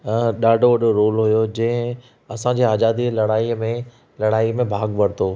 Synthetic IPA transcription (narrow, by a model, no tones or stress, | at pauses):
ɗaːɖʱoʋɐɗoɾoːlɦujod͡ʑɐ̃ɦɪ̃ | ɐsãd͡ʑeːaːzaːd̪ilɐɽaːimẽ | lɐɽaːimẽbʱaːɡʋɐɽɪt̪oː